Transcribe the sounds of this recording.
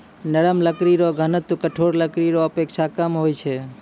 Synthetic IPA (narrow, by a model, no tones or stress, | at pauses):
nəɽəmləkɾiɾoɡʱənət̪ukəʈʰoɾləkɾiɾoəpekʃʰakəmɦojt͡ʃʰe